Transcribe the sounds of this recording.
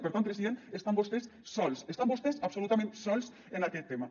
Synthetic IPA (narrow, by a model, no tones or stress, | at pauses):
peɾt̪anpɾesiðenest̪ambost̪esːɔlsest̪ambost̪esapsolut̪amẽnt̪sɔls | enakɛt̪ːema